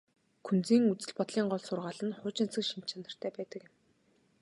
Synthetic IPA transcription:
kʰunt͡siːŋut͡sɘ̆ɮpɔt̪ɮiːɴɢɔɮsʊrʁaːɮə̆nχʊːt͡ɕɪ̆nt͡sɘ̆kʃin̥t̪̚t͡ɕʰanə̆r̥t̪ʰæːpæːt̪ə̆kjɪ̆m

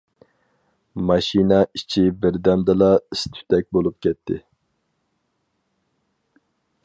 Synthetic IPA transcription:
mɑʃinɑit͡ʃʰibɪɾd̪ɛmd̪ɪlɑist̪ʰy̥t̪ʰɛk̚ʲbolˠup̚kʲʰɛt̪ʰːɪ

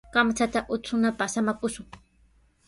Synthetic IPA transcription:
kamt͡sat̪aʔʊt͡sʰʊnapasamakʊsʊŋ

